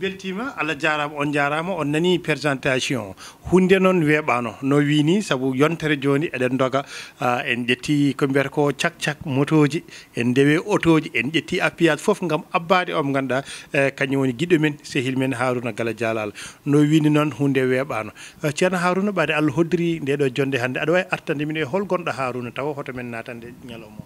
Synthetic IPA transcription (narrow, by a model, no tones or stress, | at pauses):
beltimaʔalːad͡ʒaɾamɔɔnd͡ʒaɾamaɔnːanipɛɾsantasiɔ̰̃ | hundɛnɔnwɛɓanɔ̰nɔwinisabujɔntɛɾɛd͡ʒoniʔɛɗɛndɔɡaɛnd͡ʒetʰːikɔmbɛɾkɔt͡ʃak̚t͡ʃak̚motod͡ʒiɛndɛwɛʔotod͡ʒiɛnɗetːiʔapːijatfofŋɡamabːadɛɔmɡanɗakaɲːɛwoniɡiɗɔmɛnsehilmɛnɦaɾunaɡalad͡ʒalalanɔwininɔnhundɛwɛɓanɔt͡ʃianaɦaɾunaɓadɛalːɦodiɾindɛɗɔd͡ʒɔndɛɦandɛaɗɔwaiʔaɾtandɛminɛɦɔlɡɔnɗaɦaɾunatawɔhɔtamɛnːatandɛɲalɔmɔ